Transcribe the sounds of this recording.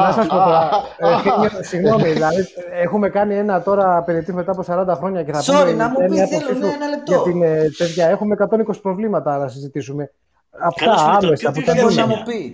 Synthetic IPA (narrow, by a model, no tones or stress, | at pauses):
nɐsɐspo̞t̪emɐsiɣno̞miðilɐðiexume̞kɐnie̞nɐt̪o̞ɾɐːpeɾiet̪izme̞t̪ɐːpo̞sɐɾɐnd̪ɐxɾo̞ɲɐce̞θɐpieemɐtoitunɐlʝɐt̪int̪e̞ðʝɐe̞xume̞ːkɐt̪o̞nikosi̥pɾo̞vlimɐt̪ɐnɐsizit̪isume̞ | ɐpt̪ɐɐmesɐput̪ɐoɐi